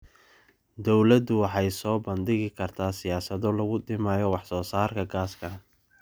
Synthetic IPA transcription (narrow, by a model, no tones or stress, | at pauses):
d̪ɔwlɐd̪ʊwɑħɑjsɔːbɐnd̪ɪɣɪkʰɐrt̪ʰaːsɪjaːsɐðɔlɐɣʊd̪ɪmaːjɔwɑħsɔːsaːrkʰɐɡaːskʰɐ